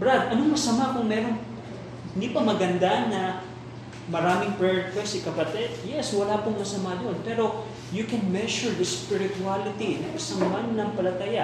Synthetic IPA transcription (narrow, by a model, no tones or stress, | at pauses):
bɹad̪ɐnoŋmɐsɐmakʊŋmɛɾo̞ŋ | ɪnd̪iːpɐmɐɡɐnd̪anɐ | mɐɾaːmɪŋpɹɛɹkwɛsɪkɐpɐt̪ɛd̪jɛswɐlapʊŋmɐsɐmad̪o̞npɛɾo̞ | jukɛnmɛʃʊɹd̪ɐspɪɾɪt̪ualɪt̪inɐŋʔɪsaŋmanːɐŋpɐlɐt̪aja